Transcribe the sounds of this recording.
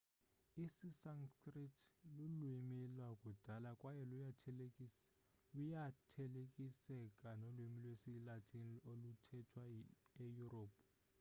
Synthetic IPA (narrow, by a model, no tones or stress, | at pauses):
isisaŋskritʰlulwimilwakʼud̥ʱalakʼwajɛlu | lujatʰɛlekʼisɛkʼanolwimilwesilatʰʼiniolutʰɛtʰwaejuroːpʰʼ